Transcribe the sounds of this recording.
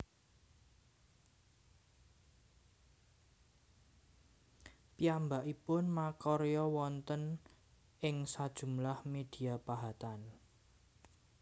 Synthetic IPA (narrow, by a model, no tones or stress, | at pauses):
piambaʔipʊnmakɔɾjɔwɔnt̪ən | ʔɪŋsad̥ʒ̥ṳmlahmed̪̥i̤apaɦat̪an